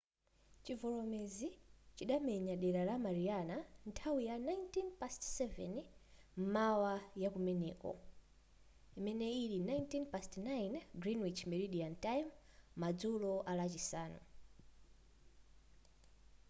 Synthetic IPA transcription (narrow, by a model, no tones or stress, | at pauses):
t͡ʃivɔlɔmezit͡ʃiɗamɛɲaɗɛɾalamaɾianantʰawijanajntinpastsɛvɛ̰n | m̩mawajakumɛnɛ̰ːkɔ̰ | imɛnɛilinajntinpastnajnɡɾinwit͡ʃmɛɾiɗiantajmː | ad͡zulɔʔalat͡ʃisaːnṵ